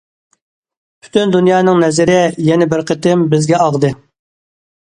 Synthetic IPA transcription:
pʰy̥t̪ʰynd̪unjɑːnɨŋnɛzɪɾɪjɛnɪbɪɾqʰət̪ɪmbɪzɡʲɛɑʁd̪ɨ

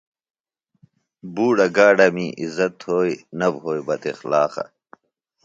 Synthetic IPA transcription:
buːɽɐɡaːɖɐmiʔizɐt̪hoːjnɐbɦoːjbɐt̪ixlaːxɐ̰

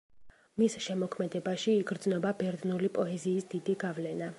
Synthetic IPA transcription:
misʃɛmɔkʰmɛd̪ɛbaʃiːɡɾd̪znɔbabɛɾd̪nulipʼɔɛziːsd̪̥id̪iɡavlɛna

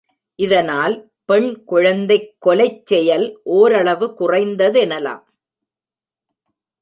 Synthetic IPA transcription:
ʔɪðɐnaːl | pɛɳkɔɻɐnd̪ɐɪkːɔlɐɪt͡ʃːɛjɐlʔoːɾɐɭɐʋɯkʊrɐɪnd̪ɐðɯɛnɐla̰ːm

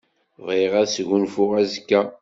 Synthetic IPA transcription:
viʁæðsʝunfʊʁæzkːæ

